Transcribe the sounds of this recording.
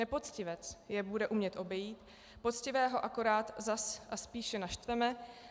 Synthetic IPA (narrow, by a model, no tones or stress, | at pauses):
ɛpo̞t͡scɪvɛt͡sjɛbudɛʔumɲɛt̪ʔo̞bɛjiːt̪ | po̞t͡scɪvɛːɦo̞ʔako̞ɾaːt̪zasʔaspiːʃɛnaʃt̪vɛmɛ